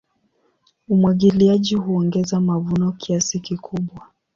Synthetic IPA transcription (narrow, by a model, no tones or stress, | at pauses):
umwaɠiliaʄihuɔŋɡɛzamavunɔkiasikikʰuɓwa